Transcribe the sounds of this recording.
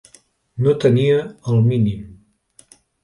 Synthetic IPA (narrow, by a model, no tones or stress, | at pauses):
not̪əniəəlˠminim